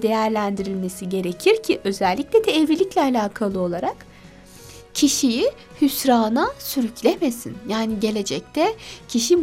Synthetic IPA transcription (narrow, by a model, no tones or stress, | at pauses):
d̪e̞jæɾlʲænd̪iɾilʲme̞siɟe̞ɾe̞cʰiɾcʰiʔø̞zælʲːicʲlʲɛd̪ʰɛːvlʲilʲicʲlʲɛalʲaaːkʰalˠɯo̞lˠaɾak | cʰiʃiji | hysɾaːnasyɾycʰlʲemesḭnjaːniɟe̞lʲe̞d͡ʒɛc̚t̪ʰɛcʰiʃi